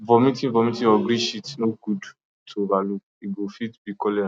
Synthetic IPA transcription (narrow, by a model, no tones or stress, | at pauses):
vɔmĩtĩvɔmĩtĩɔɡɾĩʃitnoɡud | tʰobalu | iɡofitbikɔlɛ